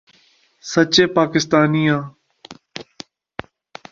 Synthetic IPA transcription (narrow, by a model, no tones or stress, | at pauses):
sət͡ʃeːpaːkɪst̪aːnijãː